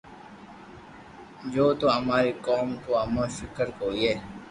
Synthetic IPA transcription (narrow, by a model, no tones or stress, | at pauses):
d͡ʒoːt̪oɦɐmaːɾekɔːmkoɦɐmafɪkəɾkoːieː